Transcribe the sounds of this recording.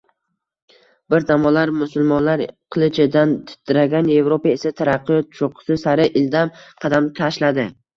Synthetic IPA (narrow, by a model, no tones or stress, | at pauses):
bɪɾd̪amɒlaɾmʊsʊlˠmɒnlaɾqʰɨlˠɪt͡ʃʰɪd̪ant̪ʰɪ̥t̪ʰːɪɾaɡʲanje̞vɾopae̞sat̪ʰaɾaqːɨjɒt̪̚t͡ʃʰoqʰʊ̥sɪsaɾɪʔɪld̪amqʰɑd̪amt̪ʰaʃlad̪ɪ